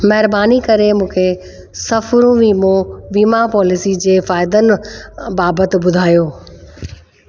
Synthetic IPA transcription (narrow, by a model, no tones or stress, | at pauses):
mɐɦɪɾbaːnikɐɾemũːkʰe | sɐfɾũʋiːmõʋiːmapɔːlɪsid͡ʑeːfaːɪd̪ənɪ̆baːbət̪ɪ̆bʊd̪ʱaːjoː